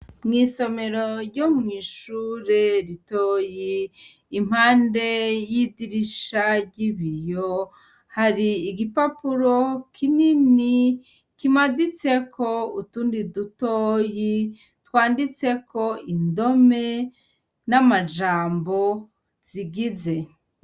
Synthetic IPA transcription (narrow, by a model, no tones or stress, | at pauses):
mŋiːso̞me̞ɾo̞ɾɟomŋiːʃuːɾe̞ɾitoːjiː | m̥haːnde̞jidiɾiʃaɟiβijo | haɾiːɡipapuɾo̞kʰinini | kimadit͡se̞kʰo̞utuːndidutoːji | twaːndit͡se̞kʰo̞indo̞me̞ | namad͡ʒaːmbo̞ | z̥iɡize̞